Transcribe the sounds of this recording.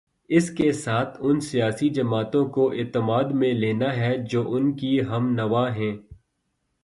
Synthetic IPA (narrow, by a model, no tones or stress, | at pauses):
ɪskesaːt̪ʰʊnsijaːsid͡ʒɐmaːt̪õkoʔɪːt̪əmaːd̪mẽleːnaɦɛd͡ʒoːʔʊnkiɦɐmnɐʋaɦɛ̃ː